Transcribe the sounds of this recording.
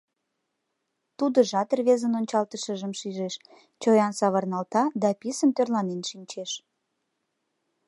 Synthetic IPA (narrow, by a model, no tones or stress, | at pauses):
t̪ud̪əʒɑt̪ərβezənonʲt͡ɕɑlt̪əʃəʒəmʃiʒeʃ | t͡ɕojɑnsɑβərnɑlt̪ɑd̪ɑpisəmt̪ørlɑnenʃinʲt͡ɕeʃ